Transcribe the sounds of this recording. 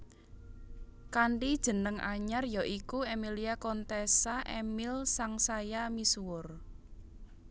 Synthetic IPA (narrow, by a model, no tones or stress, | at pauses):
kaɳɖid̥ʒ̥ə̤nəŋʔa̰ɲarjɔʔikuemiliakɔnt̪esaʔemilsaŋsajamisuwʊr